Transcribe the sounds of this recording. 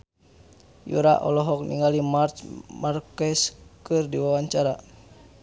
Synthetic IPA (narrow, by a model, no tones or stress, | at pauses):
jṵɾa̰ʔɔ̰lɔɦɔk̚nḭŋɡalimart͡ʃmarkɛskɨrdiwawaɲt͡ʃaɾa